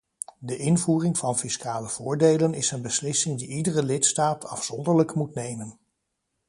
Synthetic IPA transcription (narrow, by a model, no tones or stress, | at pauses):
dəʔɪnvuːrɪŋvɑnfiskaːləv̥ʊːɹdejlənɪsənbəslɪsɪŋdiʔidərəlɪtstaːtʰɑ̰fsɔndəɹləkmutnejmən